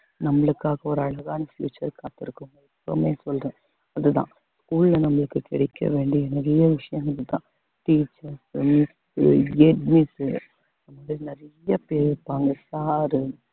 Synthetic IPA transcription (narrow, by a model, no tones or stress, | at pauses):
nɐmːɐɭɯkːaːɣɐɔɾɯɐɭɐɣaːnɐfjṵːt͡ʃːɐɾkaːt̪ɪɾɯkːɯŋɡɐɪpːɔmeːsɔlrɛ̃ː | ɐðɯt̪ã̰ː | skuːlːɐnɐmːɐɭɯkːɯkɪɽɛkʰːɐ̰ʋeːɳɖiɛnɛɾɐjɐʋɪʂɐjɐŋɡɪðɯt̪ã̰ː | ʈiːt͡ʃɐɾsmɪksjɛʈmɪs | ɐnðɐmaːðɪɾinɪɾɐjɐpeːɾɪɾpːaːŋɡɐsaːɾɯ